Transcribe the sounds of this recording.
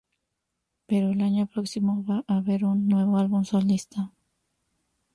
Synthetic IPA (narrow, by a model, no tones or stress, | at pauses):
peɾoelaɲopɾoksimoβaʔaβe̞ɾunːwe̞βoalβumsolist̪a